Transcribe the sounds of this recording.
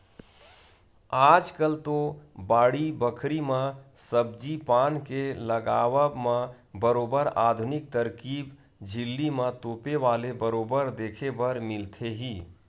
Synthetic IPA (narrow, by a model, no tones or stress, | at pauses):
aːd͡ʒkəlt̪obaːɽibəkʰɾimãsəbd͡ʒipaːnkeləɡaːwəmã | bəɾoːbəɾaːd̪ʱʊnɪk̚t̪əɾkiːb | d͡ʒʱɪlːimãt̪oːpeʋaːlebəɾoːbəɾd̪eːkʰebəɾmɪlt̪ʰeɦiː